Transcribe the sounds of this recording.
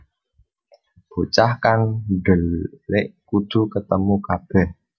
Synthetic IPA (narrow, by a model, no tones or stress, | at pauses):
b̥o̤t͡ʃahkaŋɖəlːɪʔkud̪̥ṳkət̪əmukab̥ɛh